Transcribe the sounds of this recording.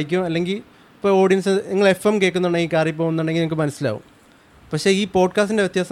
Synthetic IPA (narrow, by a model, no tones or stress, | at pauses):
jikʲːumɐlːe̞ŋɡil | ipːoo̞ːɽijɐnsɨniŋːɐɭe̞femke̞ːkːunːuɳɖeŋɡilkaːrjɐp̬ːoːunːuɳɖeŋɡilneŋk̬ːɨmɐnɐsːila̰ːʋṵm | pɐkʂe̞iːpo̞ːɖkaːstindeʋet̪jaːsɐ